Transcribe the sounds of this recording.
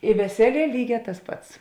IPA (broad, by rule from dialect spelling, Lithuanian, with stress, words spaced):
ɪ ʋʲɛˈsʲæːˌlʲiɛ ˈlʲiːˌɡʲɛː tɐs ˈpɐts